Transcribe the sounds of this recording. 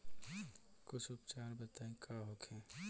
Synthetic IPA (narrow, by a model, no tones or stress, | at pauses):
kʊt͡ʃʰʊpt͡ʃaːɾbət̪aːẽkʰaːɦokʰẽː